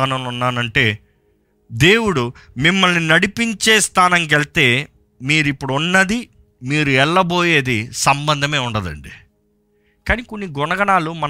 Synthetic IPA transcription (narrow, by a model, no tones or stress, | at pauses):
aːnɐmunːaːnɐɳʈe̞ː | d̪e̞ːwuɽu | mimːɐlninɐɽipiɲt͡ʃeːst̪aːnɐŋk̬elt̪e̞ː | miːɾuipːuɽuunːɐd̪i | miːɾuɛɭːɐbo̞ːjeːd̪isɐmbɐnd̪ʱɐme̞ːuɳɖɐd̪ɐ̰ɳɖi | kaːniːkonːiɡɔnɐɡɐɳaːlumɐn